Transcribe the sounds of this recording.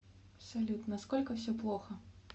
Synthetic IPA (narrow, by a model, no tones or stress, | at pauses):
ɐpsalʲut̪nɐskɔlʲkɐwsʲɔplˠɔxɐ